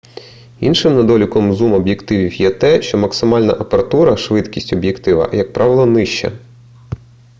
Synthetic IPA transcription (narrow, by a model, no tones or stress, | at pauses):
inʃɪmnɐd̪ɔlʲʊkɔmzumɔbjekt̪ɪʋʲiwjɛt̪ɛʃt͡ʃɔmɐksɪmɑlʲnɐ̰ʔɐpeɾɐt̪uɾɐʃʋɪt̪kʲisʲtʲɔbjekt̪ɪʋɐ̰jɐk̚pɾʔɑʋɪlˠɔnɪʃt͡ʃɛ̰